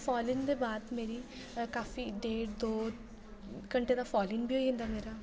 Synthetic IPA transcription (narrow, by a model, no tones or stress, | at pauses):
pʰɔːlɪnd̪eːbaːd̪meːɾiː | kaːfiːɖeːʈd̪oː | kəɳʈeːd̪aːpʰɔːlɪnbʱiɦoːiɦẽnd̪aːmeːɾaː